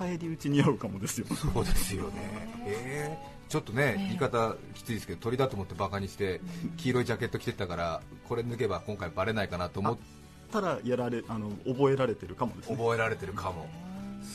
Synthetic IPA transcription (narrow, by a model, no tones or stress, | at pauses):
aeɾʲiɯ̟t͡ɕiɲ̟iaɯ̟kamo̞d̪esɨjosoːd̪e̞sɨjo̞̰ne̞̰e | t͡ɕo̞t̪ːo̞ne̞iːkat̪akʲi̥t͡sɨid̪sɨ̥ked̪ot̪o̞ɾʲid̪at̪oːmo̞t̪ːe̞bakaɲ̟iɕi̥t̪e̞kʲiːɾo̞id͡ʑake̞t̪ːokʲi̥t̪e̞t̪akaɾako̞ɾe̞inɨ̟ke̞bakõ̞ŋkaibaɾe̞naikanat̪o̞ːmo | t̪ːaɾajaɾaɾe̞ano̞obo̞e̞ɾaɾe̞t̪e̞ɾɯ̟kamo̞d̪esobo̞e̞ɾaɾe̞t̪e̞ɾɯ̟kʰamo̞